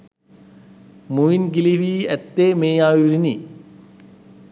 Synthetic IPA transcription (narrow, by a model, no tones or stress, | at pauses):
muʋinɡiliʋiɛt̪ːeːmeːjaːjuɾini